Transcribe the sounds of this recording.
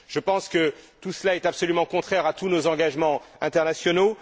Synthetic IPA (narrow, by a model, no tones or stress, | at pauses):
ʒ̥əpɑ̃skət̪usəlaɛt̪apsɔlymɑ̃kɔ̃t̪χɛʁat̪unozɑ̃ɡaʒmɑ̃ɛ̃t̪ɛʁnasjɔno